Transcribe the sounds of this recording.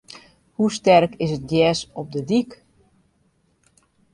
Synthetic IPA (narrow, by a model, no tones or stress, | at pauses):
hustɛrkɪsət̚djɛːsɔp̚dədik